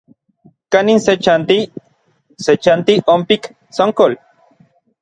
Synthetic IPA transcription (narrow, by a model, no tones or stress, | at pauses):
kaninset͡ʃant̪i | set͡ʃant̪iompik | soŋkol